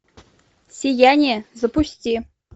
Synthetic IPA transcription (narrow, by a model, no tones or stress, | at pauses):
sʲijænʲezɤ̆pusʲtʲi